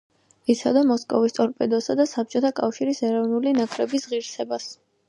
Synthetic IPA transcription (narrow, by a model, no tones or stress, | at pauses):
it̪sʰad̪amɔskʼɔvist̪ʼɔɾpʼɛd̪ɔsad̪asap̚t͡ʃʼɔt̪ʰakʼafʃiɾisɛɾɔvnulinakʰɾɛbisʁiɾsɛbas